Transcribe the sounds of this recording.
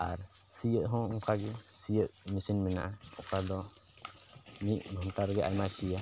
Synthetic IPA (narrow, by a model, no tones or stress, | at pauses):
a̰ɾ | sijəʔɦɔ̃uŋkaɡɛsijəʔ̚misinmɛna̰ʔaukad̪ɔ | miʔɡʱɔnt̪aɾɡɛʔa̰jmasija